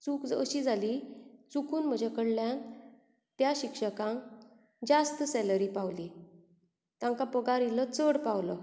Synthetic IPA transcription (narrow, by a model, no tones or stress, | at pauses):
t͡sukəɕiːd͡zʱalit͡sukʰuːnm̤əd͡ʑekəɽljan | t̪jaɕikʂəkãŋ | d͡zast̪sɛləɾiːpawli | t̪ãŋkapəɡaɾilət͡səɽpawlə